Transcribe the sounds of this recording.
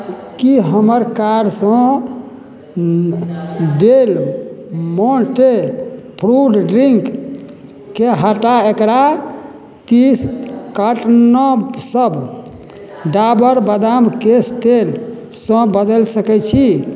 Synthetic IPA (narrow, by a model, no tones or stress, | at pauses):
kiɦəməɾkaɾsə̃ | ɖel | moʈepʰɾuɖɖɾiŋk | keɦəʈaekɾa | t̪iskəʈnɔsəb | ɖabəɾbəd̪amkest̪el | sɔ̃bəd̪əlsəkɛt͡ʃʰi